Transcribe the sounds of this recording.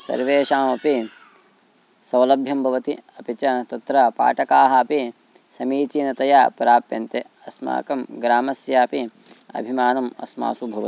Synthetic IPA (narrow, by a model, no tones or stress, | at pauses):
sɐ̰ɾʋeːʃaːmɐpi | sɐwlɐbʱjɐmbʱɐʋɐt̪iɐpit͡ʃɐt̪ɐt̪ɾɐpa̰ːʈɐkaːɦɐɐpi | sɐmiːt͡ʃiːnɐt̪ɐjapɐɾaːpjɐ̰nt̪e | ɐsma̰ːkɐmɡɾaːmɐsjaːpi | ɐ̰bʱimaːnɐmɐ̰sma̰ːsubʱɐʋɐt̪i